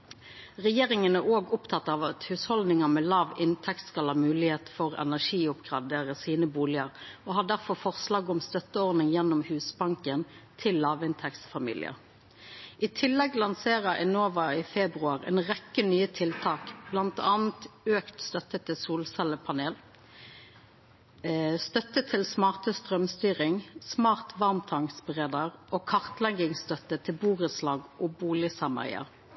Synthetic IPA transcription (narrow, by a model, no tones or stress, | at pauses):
ʁɛjeːʁɪŋənæʁoːɡʊpt̪ʰɑt̪ːɑʋɑt̪hʉːshɔld̪nɪŋəmɛlɑːʋɪnt̪ʰɛkt̪skɑlhɑːmʉːlɪheːt̪fɔʁɛ̰næʂiːʊpɡʁɑd̪eːʁəsiːnəbuːlɪəʁoːhɑd̪æʁfɔʁfɔʁslɑːɡɔmst̪œt̪ːəɔʁnɪŋjɛnːɔmhʉːsbɑŋkənt̪ʰɪlːɑːʋɪnt̪ʰɛkt̪sfɑmḭːlɪ̰ə̰ | ʔɪt̪ʰɪlːɛɡlɑnseːʁəɛnoːʋɑiːfɛbʁʉɑːʁḛːnʁɛkːənyːət̪ʰɪlt̪ʰɑːkblɑnt̪ɑːn̩t̪øːkt̪st̪œt̪ət̪ʰɪsuːlsɛləpʰɑneːl | st̪œt̪ət̪ʰɪlsmɑːʁt̪əst̪ʁœmst̪yːʁɪŋsmɑːʁt̪ʋɑʁmt̪ʰɑŋsbʁeːd̪əʁʔoːkʰɑʁt̪lɛŋɪŋst̪œt̪ət̪ʰɪlbuːʁəslɑːɡʔoːbuːlɪsɑmə̰ʁɪ̰ə̰ʁ